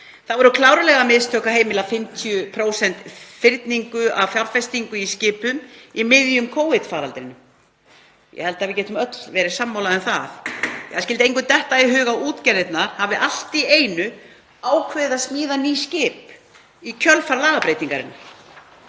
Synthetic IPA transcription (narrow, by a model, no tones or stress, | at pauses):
θaðvɔɾʏkʰlaːwɾʏlɛɣamɪðst̪ʰœːhkaɦeːjmɪlafɪmt̪ʰijʏpʰɾoːwsɛnt̪fɪɾt̪niŋkʏavfjawɾ̥fɛst̪iŋkʏiscɪːpʏmimɪðjʏmkʰoːwvɪt̪faːɾalt̪ɪɾɪnːʏm | jɛ̰hɛlt̪aðvɪɾcɛːt̪ʏmœt̪lvɛːɾɪ̥samːawlaðɛnθaθɛhaðs̬cɪlt̪ɪejŋkʏt̪ɛht̪aiɦʏːɣauːt̪cɛɾðɪt̪naɾ̥havɪʔal̥t̪ieːjnʏ | aːwkʰvɛðaðsmiːðaniːscɪːp | icʰœlfaɾlaːɣapɾeːjt̪iŋkaɾɪ̰nːa